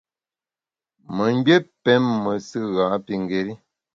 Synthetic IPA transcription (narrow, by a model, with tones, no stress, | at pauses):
mə˨ŋ˦be˦pɛ˨˦mːə˨sɨ˦ɣa˨˦pi˦ŋ˨ɡe˨ɾi˦